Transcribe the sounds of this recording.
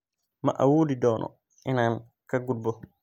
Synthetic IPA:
ma̰ʔawuːdidɔːnʔɔ̰ | ʔɛnan | kaɡːulbɔ

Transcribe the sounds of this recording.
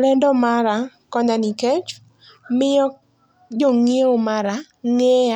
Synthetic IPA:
lɛndɔmaɾakɔɲanikɛt͡ʃ | mɪɔ | d͡ʒoŋieomaɾa | ŋɛa

